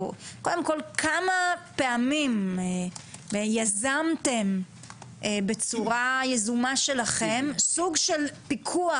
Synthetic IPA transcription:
kod̪emkolkʰamape̞amim | jazamte̞m | ebe̞t͡suʁajezumaʃe̞laχemsuɡʃelpikʰua

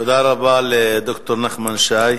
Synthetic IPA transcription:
od̪aɾabaled̪okt̪oɾnaχmanʃaj

